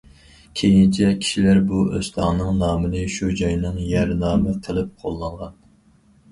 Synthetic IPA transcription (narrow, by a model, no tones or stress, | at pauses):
kʲʰejint͡ʃʰɛkʲʰi̥ʃilæɾbuøst̪ɑʁnɨŋnɑːmɨnɨʃud͡ʒɑjnɨŋjæɾnɑːmɨqʰəlˠɨp̚qʰolˠːɑɴʁɑn